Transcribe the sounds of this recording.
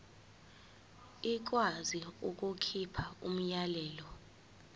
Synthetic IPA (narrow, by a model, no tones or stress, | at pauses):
ik̬waziuk̬ʼukʰipʰaṵm̩jalɛːlɔ